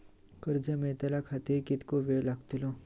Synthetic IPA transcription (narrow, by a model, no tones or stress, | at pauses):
kəɾd͡zəmeɭt̪alakʰat̪iːɾkit̪koʋeɭlaɡt̪ilo